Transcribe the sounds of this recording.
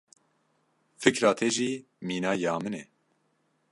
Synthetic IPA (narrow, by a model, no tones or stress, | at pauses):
fɨkɾaːt̪ʰeʒiː | miːnaːjaːmɨnɛ